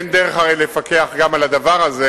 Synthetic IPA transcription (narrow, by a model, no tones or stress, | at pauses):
nd̪eʁeχaʁejle̞fakeaχɡamalad̪avaʁaze